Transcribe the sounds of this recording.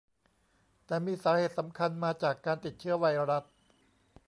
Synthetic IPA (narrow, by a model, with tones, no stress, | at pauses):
t̪ɛː˨˩miː˧saː˩˦heː˨˩t̪̚sa˩˦mkʰa˧nmaː˧t͡ɕaː˨˩kːaː˧nt̪i˨˩t̪̚t͡ɕʰɯ˦˥ɐwa˧jɾa˦˥t̪̚